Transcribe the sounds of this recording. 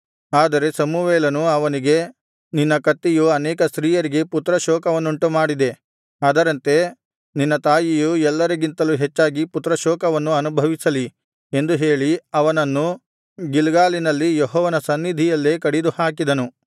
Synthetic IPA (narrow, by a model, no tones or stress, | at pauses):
aːd̪ɐɾe̞sɐmuʋɛːlɐnuɐʋɐniɡe̞ | ninːɐkɐt̪ːijuɐnɛːkɐsɾiːjɐɾiɡe̞put̪ɾɐʃɔːkɐʋɐnːuɳʈumaːɽid̪e̞ | aːd̪ɐɾɐnt̪e̞ | ninːɐt̪aːjijuɛlːɐɾeɡint̪ɐluɦet͡ʃːaːɡiput̪ɾɐʃɔːkɐʋɐnːuɐnubʱɐʋisɐli | e̞nd̪uɦe̞ːɭiɐʋɐnɐnːu | ɡilɡaːlinɐlːijɔɦɔːʋɐnɐsɐnːid̪ʱijɐlːeːkɐɽid̪uhaːkid̪ɐnu